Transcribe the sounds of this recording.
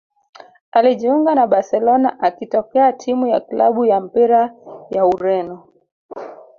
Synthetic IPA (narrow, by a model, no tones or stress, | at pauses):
aliʄiuŋɡanaɓaɾsɛlɔnaʔakitɔkɛatʰimujakla̰ɓujam̩piɾajauɾɛnɔ